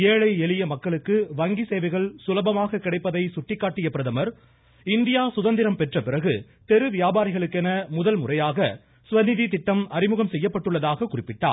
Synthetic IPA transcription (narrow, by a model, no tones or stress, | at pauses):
eːɻɐɪɛɭɪjɐmɐkːɐɭɯkːɯʋɐŋɡiseːʋɐɪɣɐɭsʊlɐbɐmaːɣɐkːɪɽɐɪpːɐðɐɪsʊʈːɪkːaːʈːɪjɐpːɪɾɐðɐmɐɾ | ɪnd̪ɪjaːsʊðɐnd̪ɪɾɐmpɛʈrɐpɪrɐɣɯ | t̪ɛɾɯʋɪjaːbaːɾɪɣɐɭɯkːɛnɐmʊðɐlmʊrɐjaːɣɐ | sʊʋɐnɪðit̪ɪʈːɐmɐrɪmɯɣɐmsɛjːɐpːɐʈːɯɭːɐðaːɣɐkːʊrɪpːɪʈːa̰ː